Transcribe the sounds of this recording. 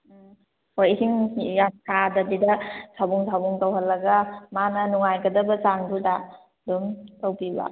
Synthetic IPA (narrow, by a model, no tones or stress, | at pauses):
hojɦiŋjat̚kʰadɐdidɐsʰabuŋsʰabuŋtawɦɐlːɐɡɐmanɐnuŋajɡɐdɐbɐt͡ʃaŋbuda | dumtawpiba̰